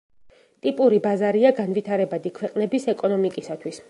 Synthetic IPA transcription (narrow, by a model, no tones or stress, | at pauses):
t̪ʼipʼuɾibazaɾiaɡanvit̪ʰaɾɛbad̪ikʰwɛqʼnɛbisɛkʼɔnɔmikʼisat̪ʰwis